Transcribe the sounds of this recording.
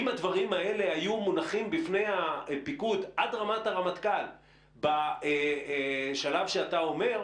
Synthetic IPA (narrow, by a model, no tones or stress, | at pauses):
imad̪vaʁimaele̞ɦajumunaχimbifne̞japikutʔadʁamataʁamatkal | bae | ʃalavʃeatao̞me̞ʁ